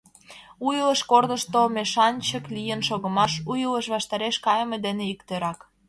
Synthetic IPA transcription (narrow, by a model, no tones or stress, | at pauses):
ujləʃkord̪ə̆ʃt̪omeʃɑnt͡ɕəklijənʃoɣə̆mɑʃujələʃβɑʃt̪ɑɾeʃkɑjəmed̪eneikt̪øɾɑk